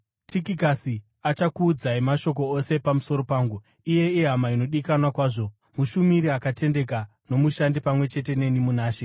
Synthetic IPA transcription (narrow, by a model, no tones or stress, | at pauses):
tʰikikasi | at͡ʃakuːd͡zaimaʃo̞k̬o̞ose̞pamuso̞ɾo̞paːŋɡu | ije̞iɦamaino̞ɗikanwakwaːʐo̞ | muʃumiɾiakate̞nde̞k̬a | no̞muʃandipamwe̞t͡ʃe̞te̞ne̞nimunaːʃe̞